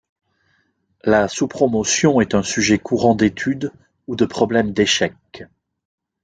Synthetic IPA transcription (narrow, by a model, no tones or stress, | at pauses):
lasupχɔmɔsjɔ̃ɛt̪ɛ̃syʒɛkʰuʁɑ̃d̪et̪ʰyd̪ | ud̪əpχɔblɛmd̪eʃɛk